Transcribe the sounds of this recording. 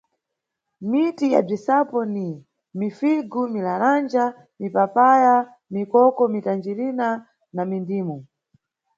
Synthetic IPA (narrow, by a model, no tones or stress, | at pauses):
mitija̰b͡ʐisapɔni | mifiɡumilaɾand͡ʒa | mipapaja | mikɔkɔmitand͡ʒiɾina | namindiːmɔ